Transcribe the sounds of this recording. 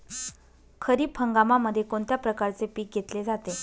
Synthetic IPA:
kʰəɾiːpʰəŋɡamaməd̪ʱːjekoɳt̪japɾəkaɾt͡sepiːk̚ɡʱet̪led͡zat̪e

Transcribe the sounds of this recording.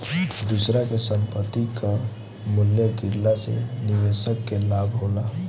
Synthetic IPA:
d̪usɾakesəmpət̪ːika | muljəɡiɾlasḛniʋesəkːelabʱɦola

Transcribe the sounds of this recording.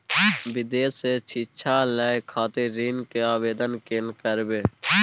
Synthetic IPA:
bɪd̪eːseːt͡ʃʰiːt͡ʃʰãːlɛːekʰaːt̪eɾiːnkeaːʋeːd̪ənkeːnkəɾʋeː

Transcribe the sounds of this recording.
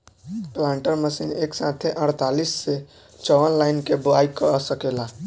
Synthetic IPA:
plãɳʈəɾməsineksat̪ʰeʔəɽt̪alisːe | t͡ʃɔʋənlaɪnkeboajkəsəkela

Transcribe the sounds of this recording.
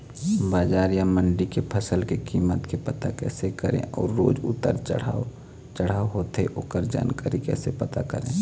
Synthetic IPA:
baːd͡ʒaːɾjaməɳɖikepʰəsəlkekiːmət̪kepət̪akɛːsekəɾḛ̃ʔɔːɾːo̰ːd͡ʒʊ̰t̪ːəɾt͡ʃəɽa | t͡ʃəɽ̤aːoɦoːt̪ɦeʔoːkəɾd͡ʒa̰ːnkaːɾikɛ̰ːsepɐt̪akə̰ɾḛ̃ː

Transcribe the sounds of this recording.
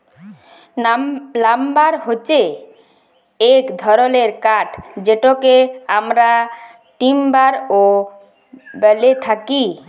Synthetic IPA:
lambaɾɦot͡ɕe | ekd̪ʱɔɾoleɾkaʈd͡ʑeʈokeamɾa | ʈimbaɾo | bɛlet̪ʰaki

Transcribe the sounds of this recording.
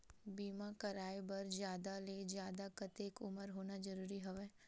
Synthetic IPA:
biːmakɐɾaːebɐɾd͡ʒjaːd̪aled͡ʒjaːd̪akɐt̪eːkʊməɾɦoːnad͡ʒɐɾuːɾiɦɐʋɛː

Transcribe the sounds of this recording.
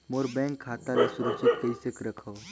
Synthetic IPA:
moːɾbɛ̃ːŋkʰːaːt̪alesʊɾəkt͡ʃɪt̪̚kəisekɾəkʰoː

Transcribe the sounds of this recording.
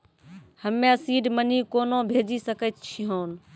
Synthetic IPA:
həmːẽəsiːɖmənikoːnobʱeːd͡ʒisəkət̪t͡ʃʰiɦoːn

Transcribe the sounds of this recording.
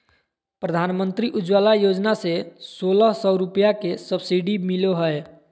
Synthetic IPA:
pɾəd̪ʱanmənt̪ɾiʔud͡ʒwalajod͡ʒnasesoləɦsɔʊɾupjakesəbsiɖimiloɦəe

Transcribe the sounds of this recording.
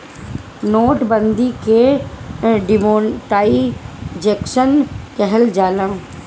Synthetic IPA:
noːʈbə̃nd̪ike | ɖɪmoːʈaːid͡ʒeːkʃənkɛɦɛld͡ʒaːlã

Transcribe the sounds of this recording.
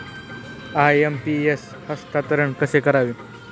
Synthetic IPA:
ajempies | həst̪at̪əɾəɳkəsekəɾaʋi

